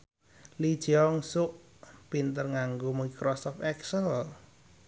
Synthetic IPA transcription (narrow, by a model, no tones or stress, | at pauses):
lid̥ʒ̥ɔŋsʊʔ | pint̪ərŋaŋɡomuikɾɔsɔfɛksəl